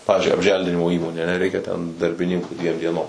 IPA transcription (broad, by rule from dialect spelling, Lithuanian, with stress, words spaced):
ˈpɑːʋʲɪzʲd͡ʒʲʊɪ ɐbʲˈʒʲɛlʲdʲɪnʲɪmoː ˈiːmoːnʲeː ɐˈnʲɛ ˈrʲɛɪkʲɛ tʲɛn dɐrʲbʲɪˈnʲɪŋkuː ˈdʲʋʲiɛm dʲiɛˈnoːm